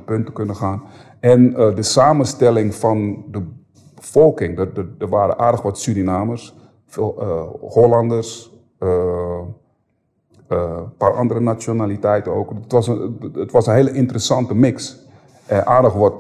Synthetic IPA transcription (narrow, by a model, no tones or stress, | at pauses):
pøntəkønəxaːn | ɛnədəsaːmənstɛlɪŋfɔndə | b̥əfɔlˠkɪŋddərʋaːɾə̰nʔaːrdəxʋɔtsyɾinaːmərs | f | hoːlandərs | paːrʔɑ̰ndərənat͡sjonalitɛjtəno̰ːktʋɔsəətʋɔsənɦeːləʔɪntərəsɑntəmɪks | ʔɛʔaːrdəxʋɔt